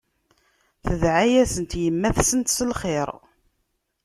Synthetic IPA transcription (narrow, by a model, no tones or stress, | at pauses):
θəðʕajæsənt̪jəmːæθsənt̪səlχeɾ